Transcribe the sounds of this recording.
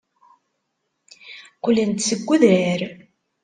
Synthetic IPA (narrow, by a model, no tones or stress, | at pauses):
qʊlːənt̪səɡʷːuðæɾ